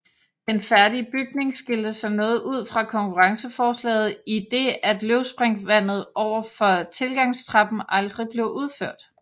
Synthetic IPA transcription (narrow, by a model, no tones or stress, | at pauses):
d̥enfæɐdiəb̥yɡ̥̚ne̝ŋsɡ̥e̝ld̥əsɑ̈ɪnɔ̽ːð̩ˠʔuð̞̰ˠfʁɑ̈kʰɒ̽ŋkʰuʁɑ̈ŋsəfɒːslɛ̰ːð̞̩ˠid̥e̝æd̥løʊsb̥ʁeŋʋæn̰ð̞̩ˠʔɒʊ̰ɐfɒ̽t͡sʰe̝lɡ̥ɑ̈ŋ̰st͡sʰʁɑ̈b̥m̩ʔɑ̈ld̥ʁib̥le̝ʊʔuð̞ˠføɐ̰d̥